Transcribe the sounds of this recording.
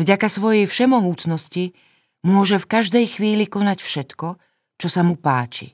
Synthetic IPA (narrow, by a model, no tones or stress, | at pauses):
vɟakasʋɔjɛjfʃɛmɔɦuːt͡snɔsci | mʊɔʒɛfkaʒd̪ɛjxʋiːlikɔnacfʃɛt̪kɔ | t͡ʃɔsamupa̰ːt͡ʃḭ